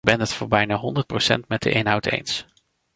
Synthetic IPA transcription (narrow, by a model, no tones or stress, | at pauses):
bɛnətfʊːɹbɛjnaːɦɔndəɹt̚prowsɛ̰ntmɛd̚də̰ʔejnɦʌwtḛjns